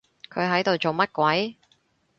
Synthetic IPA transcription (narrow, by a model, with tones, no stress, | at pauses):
kʰɵ˨˧ɥɦɐ˨˥jt̪o˨wt͡so˨wmɐ˥t̚kʷɐ˨˥j